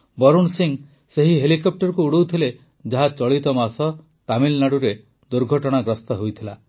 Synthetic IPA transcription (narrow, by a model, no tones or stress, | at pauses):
bɔɾuɳsiŋ | seɦiɦelikɔp̚ʈɔɾɔkuuɽowt̪ʰile | d͡ʒaɦat͡ʃɔɭit̪ɔmasɔ | t̪amilnaɽuɾe | d̪uɾɡʱɔʈɔɽ̃aɡɾɔst̪ɔɦojt̪ʰila